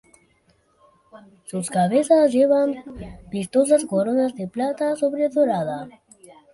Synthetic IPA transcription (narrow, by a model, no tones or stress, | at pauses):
suskavezazjevanpist̪ozaskoɾonazd̪eplat̪asobɾed̪oɾad̪a